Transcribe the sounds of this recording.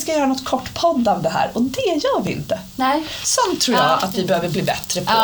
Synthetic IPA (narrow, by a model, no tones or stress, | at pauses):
skajœːɾanɔt̪ːkʰɔʈːpʰɔd̪ːavd̪ɛɦæ̰ːɾɔd̪ɛjɑːɾvɪɪ̰nt̪ə | samt̪ʰːɾuːɾjɑa̰t̪vɪbɛhøːvəɾbliːbɛt̪ɾəpʰɔ